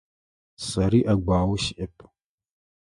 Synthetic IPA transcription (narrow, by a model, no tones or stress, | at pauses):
sɐɾiːʔɐɡʷaːwʃɪʔɪpʰ